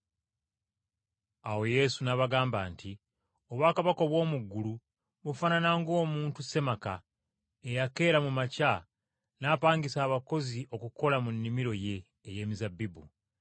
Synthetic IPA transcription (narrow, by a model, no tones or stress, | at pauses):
awo̞je̞sunaβaɡaːmbaːnti | o̞βwaːkaβakoβwo̞ːmuɡːulu | βufananaŋɡo̞ːmuːntuse̞maka̰ | e̞jake̞ːɾamumaca | naːpaːŋɡisaːβako̞ziʔo̞kuko̞lamunːimiɾo̞je̞ː | je̞ːmizabːibṵ